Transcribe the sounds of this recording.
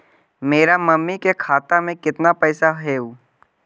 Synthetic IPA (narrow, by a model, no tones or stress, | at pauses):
meːɾamɐmːikekʰaːt̪amẽkɪt̪napɛːsaɦɛuː